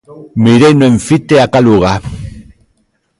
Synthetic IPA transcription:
miɾejneɱfit̪eakaluɣa

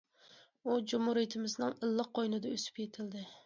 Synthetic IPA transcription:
ud͡ʒumhuɾijt̪ʰɪmɪznɪŋɨlˠːɨq̚ʰːojnɪd̪ɛøsɪ̥pjʰet̪ʰɪld̪ɪ

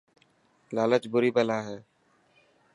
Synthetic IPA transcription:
laːlət͡ʃbʊɾiːbəlaːɦɛː

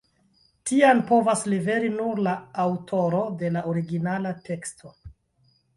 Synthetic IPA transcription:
tianpo̞vaslive̞ɾinuɾlaːwtʰo̞ɾo̞de̞laʔoɾiɡinalate̞kstʰo̞

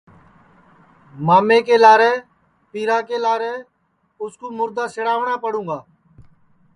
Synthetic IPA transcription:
maːmeːkeːlaːɾɛː | piːɾaːkeːlaːɾɛː | ʊskuːmʊɾd̪aːsɪɽaːʋɳãːpəɽũːɡaː

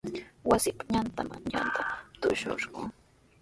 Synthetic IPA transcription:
wasɪpaɲant̪amant͡ʃant̪ʰat̪ʊʃo̰ʃɢʊ

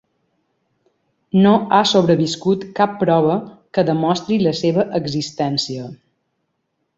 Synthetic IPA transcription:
noasoβ̞ɾəβiskut̪kapːɾɔβəkəðəmɔst̪ɾiləseβəʔəɡzist̪ɛnsiə

